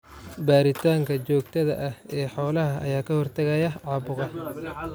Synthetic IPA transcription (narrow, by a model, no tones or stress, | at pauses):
baːɾɪt̪ʰaːŋkʰɐt͡ʃɔːɡt̪ʰɐðɐʔɐhɛːħɔːlɐɦɐɐ̰jaːkʰɐhɔrt̪ʰɐɣɐjɐʕɑːbʊʁɐ